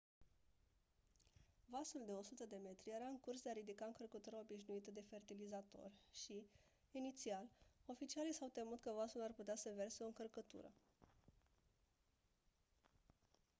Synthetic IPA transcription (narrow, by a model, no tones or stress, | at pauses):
vasuld̪e̞o̞sut̪əd̪e̞me̞t̪ɾʲijeɾaɨŋkursd̪eaɾid̪ikaɨŋkərkət̪uɾəo̞biʃnuit̪əd̪e̞fe̞rt̪ilizat̪o̞̰rʲʃiː | nit̪sialo̞fit͡ʃialijsawt̪emut̪kəvasularput̪easəve̞rseo̞ɨŋkərkət̪ṵɾə̰